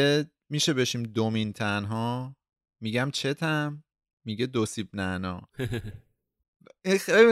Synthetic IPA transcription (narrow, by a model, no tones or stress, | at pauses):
e | miʃe̞be̞ʃiːmd̪omint̪ʰænɦɒː | miɟæmt͡ʃʰe̞t̪ʰæmː | iɟed̪osib̚nænɒ̰ː | inxejli